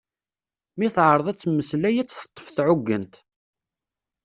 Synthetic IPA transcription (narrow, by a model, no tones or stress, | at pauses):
miθʕəɾˤðˤæt͡sːmːəslæjæt͡sːθə̥t̪ˤːə̥fθʕʊɡːənt̪